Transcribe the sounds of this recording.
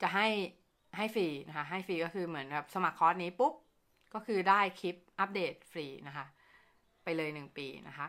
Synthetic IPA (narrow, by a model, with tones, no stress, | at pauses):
t͡ɕa˨˩ɦa˥˩j | ha˥˩jfiː˧na˦˥kʰa˦˥ɦa˥˩jfɾiː˧kɔː˥˩kʰɯː˧mɯ˩˦ənbɛː˨˩p̚sa˧ma˨˩kʰːɔː˦˥t̪̚niː˦˥pu˦˥p̚ | kɔː˥˩kʰɯː˧daː˥˩jkʰi˦˥p̚ʔa˦˥p̚deː˨˩t̪̚fɾiː˧na˦˥kʰa˦˥ʔ | pa˧jlɤː˧jnɯ˨˩ŋpḭː˧na˦˥kʰa˦˥